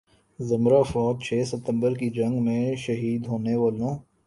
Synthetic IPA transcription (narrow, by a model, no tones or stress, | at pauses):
zɐmɾafɔːd̪̚t͡ʃʰeːsət̪ə̃mbəɾkid͡ʒɐ̃ŋɡmẽʃɐɦiːd̪ɦoːneʋaːlõː